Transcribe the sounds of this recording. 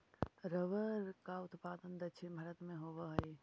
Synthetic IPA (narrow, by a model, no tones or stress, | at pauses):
ɾəʋəɾkaʊt̪paːd̪ənd̪ɐt͡ʃʰenbʱɐɾət̪mẽɦoːʋəɦəj